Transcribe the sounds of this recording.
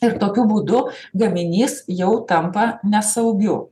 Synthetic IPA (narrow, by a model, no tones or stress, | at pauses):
ɪɾt̪oːkʲʊbuːd̪ʊɡɐmʲɪnʲiːsjɛʊt̪ɐmpɐnʲɛsɐʊɡʲʊ